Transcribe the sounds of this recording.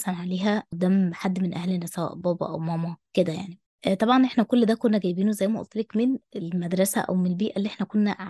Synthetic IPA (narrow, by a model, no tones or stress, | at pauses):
sɑnʕaleːɦæʔd̪æːmħad̪ːmenʔæ̰hlenːæsæwæ̰ʔbɑːbɑ̰ʔæ̰wmæːmɑked̪æja̰ʕni | ʔt̪ˤɑbʕɑnʔeħnækolːd̪æːkonːæɡæjbiːnozæjːmæʔo̰t̪ːˤelekmenelmæd̪ɾˤɑsæ̰ʔæ̰wmenelbiːʔælːiʔeħnækonːæ